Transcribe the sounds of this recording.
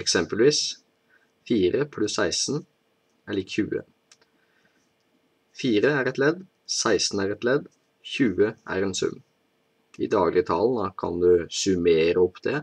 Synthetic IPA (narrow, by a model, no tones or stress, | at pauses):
ɛksɛmpəlʋiːs | fiːɾəpʰlʉsːæɪsn̩ | ɛləɾçʉ̰ːə̰ | fiːɾəæːɾɛt̪lɛd̪ | sæɪsn̩æːɾɛt̪lɛd̪ | çʉːəʔæ̰ɾɛnsʉ̰m | ḭːd̪ɑːɡlɪət̪ʰɑln̩əkʰɑ̰nd̪ʉsʉmeːɾəɔpʰːd̪ɛ